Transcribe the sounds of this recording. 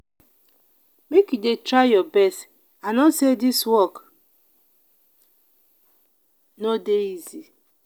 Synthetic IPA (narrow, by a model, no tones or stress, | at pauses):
mekjudetɾajɔbɛst | anɔsediswɔk | nodeizi